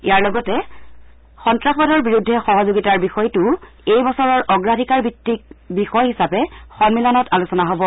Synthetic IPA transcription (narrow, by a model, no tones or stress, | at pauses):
ijaɹlɔɡɔtɛ | xɔntɹaxɔdɔɹbiɹudʱːɛxɔɦɔzoɡitaɹbixɔjtʊ | ejbɔsɔɹɔɹʔɔɡɹadʱikaɹbitːik̚bixɔjhisapɛxɔnmilɔnɔtalusɔnaɦobɔ